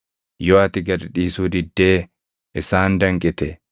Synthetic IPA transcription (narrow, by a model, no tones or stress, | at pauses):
jɔɐt̪ɪɡɐɾᶑiːsuːd̪ɪd̪ːeː | ʔɪsaːnd̪ɐŋkʼɪt̪ɛ